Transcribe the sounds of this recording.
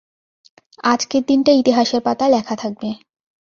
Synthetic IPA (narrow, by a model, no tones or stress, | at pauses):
ad͡ʑkeɾd̪inʈait̪iɦaʃeɾpat̪alɛkʰat̪ʰak̚be